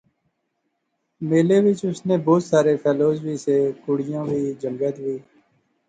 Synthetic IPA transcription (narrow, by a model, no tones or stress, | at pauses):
meːleːʋɪt͡ʃʊsneːboːt̪saːɾeːpʰɛːloːzʋiːseːkʊɽɪjãːʋʱiːd͡ʒəŋɡət̪ʋiː